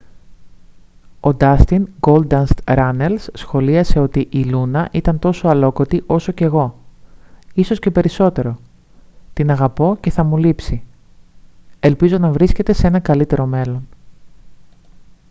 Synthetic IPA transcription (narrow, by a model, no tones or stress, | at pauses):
o̞d̪ɐst̪iŋɡo̞ld̪ɐnst̪ɾɐne̞lssxo̞liɐse̞o̞t̪iʔilunɐʔit̪ɐnt̪o̞soɐlo̞ko̞t̪iʔo̞so̞ce̞ɣo̞ | iso̞sce̞pe̞ɾiso̞t̪e̞ɾo̞ | t̪inɐɣɐpo̞ce̞θɐmulipsi | e̞lpizo̞nɐvɾisce̞t̪e̞see̞nɐkɐlit̪e̞ɾo̞me̞lo̞n